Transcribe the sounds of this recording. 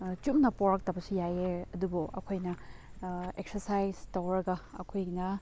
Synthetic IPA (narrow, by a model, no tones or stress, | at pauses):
t͡ʃumnɐpoɾɐk̚tɐbɐsijajeɐdubuɐ̰kʰojnɐ | ek̚sɐɾsajztɐwɾɐɡɐɐ̰kʰojnɐ